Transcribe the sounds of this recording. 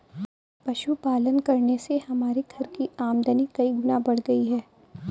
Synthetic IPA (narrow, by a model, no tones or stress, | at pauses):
pɐʃupaːlənkɐɾnesehɐmaːɾeɡʱɐɾkiaːmd̪ʱənikɐiɡʊnabɐɽɡɐiɦɛː